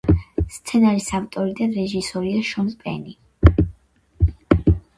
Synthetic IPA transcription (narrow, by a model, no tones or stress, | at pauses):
st̪sʰɛnaɾisavt̪ʼɔɾid̪anɾɛʒisɔɾiaʃɔnzpʼɛ̰ni